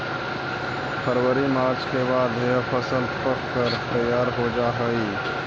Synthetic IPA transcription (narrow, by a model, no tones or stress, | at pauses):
pʰəɾwəɾimaːɾt͡ʃʰkebaːd̪pʰəsəlpəkkəɾt̪əjːaːɾɦod͡ʒaːɦəi